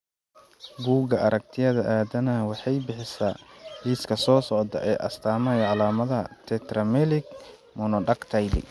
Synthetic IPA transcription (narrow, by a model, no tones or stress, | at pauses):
ɡuːɡɐʔɐɾɐk̚t̪ʰɪjɐðɐʔaːd̪ɐnɐwɑħɑjbɪħɪsaːliːskʰɐsɔːsɔʕd̪ɐ̰ʔɛːʔɐ̰st̪ʰaːmɛjɐʕɑlaːmɐðɐt̪ʰɛt̪rɐmɛlɪɡ̚ | mɔnɔɖɐkt̪ʰɐjlɪ̰